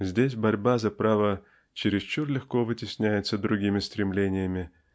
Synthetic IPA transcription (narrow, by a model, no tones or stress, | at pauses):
zʲdʲesʲbɐɾʲbazɐpɾavə | t͡ɕɪɾʲɪst͡ɕurlʲɪxkovɨtʲɪsʲnʲæjɪt̪səd̪ɾʊɡʲimʲɪst̪ɾʲɪmlʲenʲɪjəmʲɪ